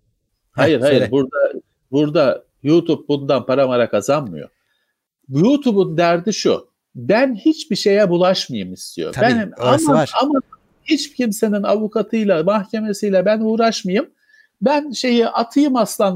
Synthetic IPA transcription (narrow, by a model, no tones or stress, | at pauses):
hajɯɾhajɯɾbuɾd̪a | buɾd̪a | juːt̪ʰup̚bund̪anpʰaɾamaɾakazanmɯ̰jo̰ | jut̪ʰubund̪æɾd̪iʃṵ | bænhit͡ʃbiʃe̞jɛbulˠaʃmajɯmist̪ʰḭjo̰beniamaama | hit͡ʃcʰimse̞ninavukʰat̪ʰɯjlˠamahcʰe̞me̞sijlʲabænuːɾaʃmajɯm | bænʃe̞jiʔat̪ʰɯjɯmaslˠan